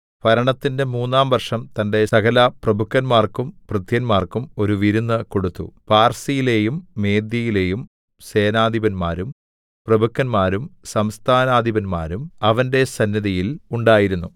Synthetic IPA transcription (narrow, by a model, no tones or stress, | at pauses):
pɐɾɐɳɐt̪ːinde̞muːnːaːmʋɐrʂɐmt̪ɐnde̞sɐkʰɐlɐprɐbʱukːɐnmaːrkumprɨt̪jɐnmaːrkumo̞ɾuʋiɾunːɨko̞ɽut̪ːṵpaːrsijile̞ːjumːe̞ːd̪jɐjile̞ːjum | se̞ːnaːd̪ʱibɐnmaːɾum | prɐbukːɐnmaːɾumsɐmst̪ʰaːnaːd̪ʱibɐnma̰ːɾumɐʋɐnde̞sɐnːjɐðijiluɳɖaːjiɾunːu